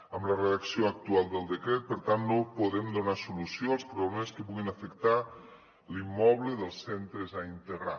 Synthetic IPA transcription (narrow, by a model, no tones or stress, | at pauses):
əmləreəksioək̚t̪ualˠd̪əlˠd̪əkɾɛt̪̚pəɾt̪anːopuðɛmd̪unasulusjoəlˠspɾuβlɛməskəpuɣinəfəkt̪a | limːɔβləðəlˠsɛnt̪ɾəzaint̪əɣɾa